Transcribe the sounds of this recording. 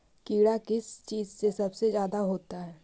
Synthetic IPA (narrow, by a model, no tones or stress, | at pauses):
kiːɽakɪst͡ʃiːzsesɐbsezjaːd̪aɦoːt̪aɦɛː